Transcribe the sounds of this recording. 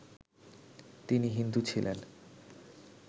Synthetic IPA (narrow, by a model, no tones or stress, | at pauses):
t̪iniɦind̪ut͡ɕʰilʔḛn